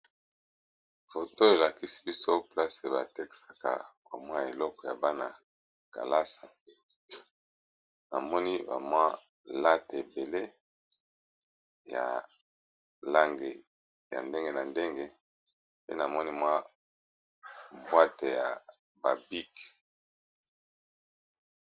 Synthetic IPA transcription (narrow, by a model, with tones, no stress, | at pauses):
fo˨to˦e˨la˨ki˦si̥˦bi˦so˦pla˦se˨ba˨te˦ki̥˨sa˨ka̰˨ba̰˨mwa˦˨e˨lɔ˦kɔ˨ja̰˨ba˦na˨ | ka̰˨la˦sa˨ | na˨mɔ˦ni˦ba̰˨mwa˦ | la˦te˨be˨le˦ | ja̰˨ | la˦ŋɡe˨ | ja̰˨nde˦ŋɡe˦na˨nde˦ŋɡe˦ | pḛ˦na˨mɔ˦ni˦mwa˦ | bwa˦te˨ja̰˨ | ba˨bi˦k